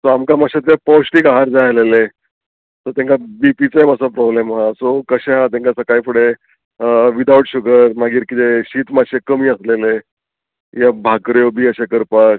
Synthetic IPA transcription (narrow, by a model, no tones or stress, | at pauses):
sɔamkamaɕet̪epɔwɕʈikaɦaɾd͡zajlele | sɔt̪ẽŋkabipit͡sejməsəpɾɔblemɦasokəɕeɦãt̪ẽŋkasəkajfuɽe | ʋid̪ʱaʋəʈɕuɡəɾmaɡiːɾkit̪eɕiːt̪maɕekəmiːəslele | jabʱakɾjobʱiːəɕekəɾpak